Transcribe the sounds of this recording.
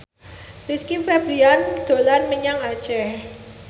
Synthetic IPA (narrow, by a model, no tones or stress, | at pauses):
riskifebɾiand̪̥o̤lanməɲaŋḁt͡ʃɛh